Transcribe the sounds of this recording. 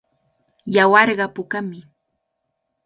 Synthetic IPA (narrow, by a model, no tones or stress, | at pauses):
jawɑɾɢɑpʊkamɪ